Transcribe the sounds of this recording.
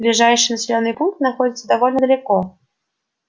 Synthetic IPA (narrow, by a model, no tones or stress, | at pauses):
blʲɪʐajʂɨjnəsʲɪlʲo̞nːɨjpunk̚t̪nɐxodʲɪt̪səd̪ɐvolʲnəd̪əlʲɪkɔ